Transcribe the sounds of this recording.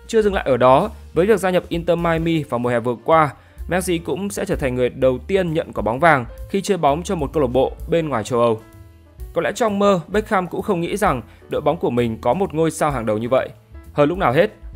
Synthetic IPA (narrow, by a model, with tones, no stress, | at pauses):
t͡ɕɨ˧əzɨ˨˩ŋla̰ː˧˨jʔəː˧˩ɗɔ˨˦vəː˨˦jvi˨˩ək̚zaː˧ɲə˨˩p̚ʔi˧nt̪əː˧maː˧jmi˧vaː˨˩m̚˨˩hɛ˨˩vɨ˨˩əkwaː˧ | mɛ˦˥k̚sḭ˧˥kʊ̰˧˥ŋ͡msɛ̰˧˥t͡ɕəː˧˩t̪ʰa˨˩ŋ̟ŋɨ˨˩əjɗə˨˩wt̪i˧ənɲə̰˧˨nku˧˩ɓa˨˦wŋ͡mvaː˨˩ŋxi˧t͡ɕəː˧ɓɔ˨˦wŋ͡mt͡ɕɔ˧mo˨˩t̚kə˧lo˨˩t̚ɓo̰˧˨ɓe˧nŋwaː˨˩jt͡ɕə˧wʔə˧w | kɔ˨˦lɛ̰˧˥t͡ɕɔ˧wŋ͡mməː˧ɓə˦˥jk̚xaː˧mkʊ̰˧˥ŋ͡mxə˧wŋ͡mŋḭ˧˥za˨˩ŋ | ɗə̰ː˧˨jɓa˨˦wŋ͡mku˧˩əmï˨˩ŋ̟kɔ˨˦mo˨˩t̚ŋo˧jsaː˧wɦaː˨˩ŋɗə˨˩wɲɨ˧və̰˧˨j | həː˧˩lʊ˦˥k͡p̚naː˨˩wɦe˦˥t̚